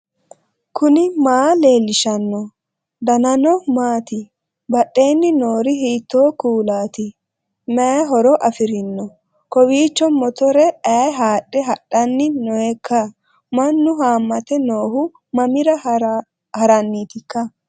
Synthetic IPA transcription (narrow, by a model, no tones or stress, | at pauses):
kʰʊnɪmaːle̞ːlːɪʃɐnːɔ | d̪ɐnɐnɔmaːt̪ɪ | bɐɗːe̞ːnːɪnoːɾɪɦiːt̪ːoːkuːlaːt̪ɪ | mɛɦɔɾɔʔɐfɪɾɪnːɔ | kɔwiːt͡ʃːɔnmɔt̪ɔɾɛʔɐjɦaːɗːɛɦɐɗːɐnːɪnɔɛkʰːɐ | mɐnːʊɦaːmːɐt̪ɛnoːhʊ | mɐmɪɾɐ | hɐɾɐnːiːt̪ɪkːɐ